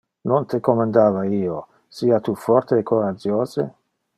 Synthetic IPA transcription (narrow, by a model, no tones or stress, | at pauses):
nont̪ekomand̪aːvaiːo | siːat̪ufɔrt̪eːkːoɾad͡ʒjoːze